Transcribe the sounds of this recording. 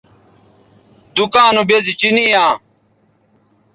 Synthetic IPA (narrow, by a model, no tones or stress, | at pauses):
d̪ukaːnubezit͡ɕinijãː